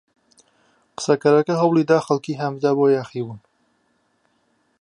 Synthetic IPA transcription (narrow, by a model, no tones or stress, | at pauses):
qɨ̥sɐkɐɾɐkɐɦɐwlˠid̪aːxɐlkiːɦɐmvd̪aːboːjaːxiːbun